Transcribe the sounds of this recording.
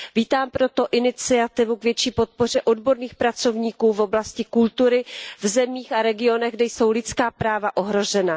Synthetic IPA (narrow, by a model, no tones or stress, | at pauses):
viːt̪aːmpɾo̞t̪o̞ʔɪnɪt͡sɪat̪ɪvukvjɛt͡ʃiːpo̞t̪̚po̞r̝ɛʔo̞dbo̞ɾniːxpɾat͡so̞vɲiːkuːvo̞blascɪkult̪uɾɪvzɛmiːxaɾɛɡɪo̞nɛɣɡdɛjso̞wlɪt͡skaːpɾaːvaʔo̞ɦɾo̞ʒɛna